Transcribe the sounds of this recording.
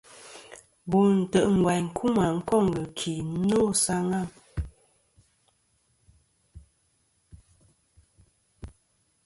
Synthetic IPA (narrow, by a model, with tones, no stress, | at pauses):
bu˨n̩˨tə˨ʔŋ̩˨ɡwa˨jŋ̩˨kʰu˦ma˨ŋ̩˦kɔ˦˨ŋ˨ɡə˨kʰi˨˦no˦˨sa˦ŋa˦˨